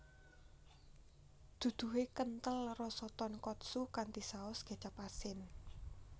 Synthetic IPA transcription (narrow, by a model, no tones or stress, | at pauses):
d̪̥ṳd̪̥ṳɦekənt̪əlrɔsɔt̪ɔnkɔt̪̚sukant̪isaʊsɡ̥a̤̥t͡ʃapasɪn